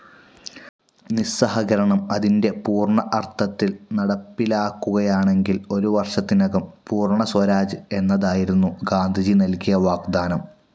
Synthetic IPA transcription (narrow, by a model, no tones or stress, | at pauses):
nisɐɦɐɣɐɾɐɳɐmɐðinde̞puːrɳɐʔɐrt̪ʰɐt̪ːilnɐɽɐpːilaːkːuɣɐjaːɳe̞ŋɡilo̞ɾuʋɐrʂɐt̪ːinɐɣɐmpuːrɳɐswɐɾaːd͡ʑɨe̞nːɐðaːjiɾunːuɡaːnd̪ʱɐd͡ʑinɐlkijɐʋaːɡd̪aːnɐm